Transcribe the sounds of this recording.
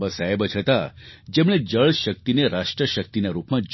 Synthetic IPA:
bəsaebət͡ʃʰət̪ad͡ʒemɭ̃ed͡ʒəɭʃək̚t̪ineɾaʂʈɾəʃək̚t̪inaɾupmãd͡ʒ

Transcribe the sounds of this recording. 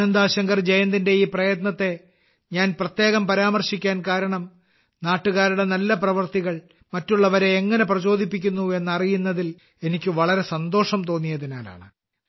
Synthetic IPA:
nɐnd̪aːɕɐŋɡɐrd͡ʑejɐnd̪inde̞iːprɐjɐt̪nɐt̪ːe̞ | ɲaːnprɐt̪je̞ːɣɐmpɐɾaːmɐrɕikʲːaːnkaːɾɐɳɐm | naːʈːuɣaːɾuɽe̞nɐlːɐprɐʋɐrt̪iɣɐɭ | mɐtːuɭːɐʋɐɾe̞ːŋːɐne̞prɐt͡ɕo̞ːd̪ʱipːik̬ʲːunːue̞nːɐrijunːɐðil | e̞nikʲːɨʋɐɭɐɾe̞sɐnd̪o̞ːʂɐmt̪o̞ːnːijɐðinaːla̰ːɳɨ

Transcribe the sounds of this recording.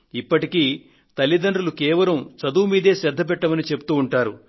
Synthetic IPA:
ipːɐʈikiː | t̪ɐlːid̪ɐɳɾulukɛːʋɐlɐmt͡ʃɐd̪uːmiːd̪e̞ːsɐd̪ʱːɐp̬ɛʈːɐmɐnit͡ʃe̞pu̥t̪uːuɳʈaːɾu

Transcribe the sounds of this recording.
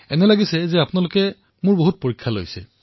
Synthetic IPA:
ɛnɛlaɡisɛzɛapʊnalʊkɛ | mʊɹboɦut̚poɹikʰːalo̰jsɛ̰

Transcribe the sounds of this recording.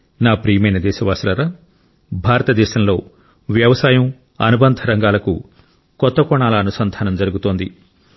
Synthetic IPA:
naːpɾiːɐmɐjnɐd̪ɛːʃɐʋaːsɐlɐɾa | bʱaːɾɐt̪ɐd̪ɛːʃɐmlo̞ː | ʋjɐʋɐsaːjɐm | ɐ̰nubɐnd̪ʱɐɾɐŋɡaːlɐkṵ | kɔt̪ːɐkɔɳaːlɐːnusɐnd̪ʱaːnɐmd͡ʒɐɾuɡut̪o̞ːnd̪i

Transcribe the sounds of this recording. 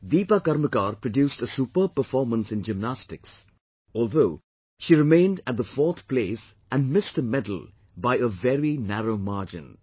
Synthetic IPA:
ʋiːpakɐɾməkaːɾpɹəɖjuːstəsupəpəɾfɔːɾmə̃nsɨ̃nd͡ʒɪmnæstɪks | ɔːlˠðoʊ | ʃiɾɪmẽɪ̃ndæt̚ðəfɔːɾt̪pʰleːsʔæ̃nmɪstəmɛdl̩ | baɪəvɛɾinæɾoʊmaɾd͡ʒɪ̰̃n

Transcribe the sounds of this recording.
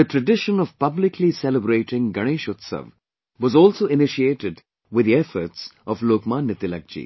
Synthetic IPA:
əʈɾəɖɪʃə̃nɔv̥pʌblɪklisɛləbɾeːʈɪ̃ŋɡɐɽ̃eːʃʊt̪sə̰ʋ | wɔzɔːlsoːɪnɪʃieːʈɪɖ | wɪd̪iɛfə̰ɾʈsɔvloːkmãːnːɪt̪ɪlɐ̰k̚d͡ʒḭː

